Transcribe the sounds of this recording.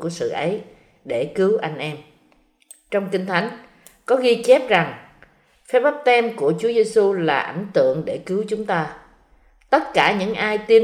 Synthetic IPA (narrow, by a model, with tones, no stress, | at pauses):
u˧˩əsɨ̰˧˨ʔə˨˦j | ɗe˧˩kɨ˨˦wʔa˧jŋ̟ʔɛ˧m | t͡ɕɔ˧wŋ͡mkï˧ŋ̟t̪ʰa˨˦jŋ̟ | kɔ˨˦ɣi˧t͡ɕe˦˥p̚za˨˩ŋ | fɛ˦˥ɓa˦˥p̚t̪ɛ˧mku˧˩ət͡ɕu˨˦əze˧su˧laː˨˩ʔa˧˩jŋ̟t̪ɨ̰˧˨əŋɗe˧˩kɨ˨˦wt͡ɕʊ˨˦ŋ͡mt̪aː˧ | t̪ə˦˥t̚kaː˧˩ɲɨ̰˧˥ŋʔaː˧jt̪i˧